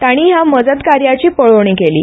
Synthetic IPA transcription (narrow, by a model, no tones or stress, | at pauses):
t̪aɽ̃iːɦjaməd͡zət̪kaɾjat͡ɕiːpəɭʋɳ̃ikelḭː